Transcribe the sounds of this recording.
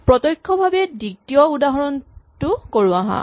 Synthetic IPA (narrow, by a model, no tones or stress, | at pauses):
pɹɔtɔjkʰːɔbʱabɛdiktijɔudaɦɔɹɔntʊkoɹuaɦa̰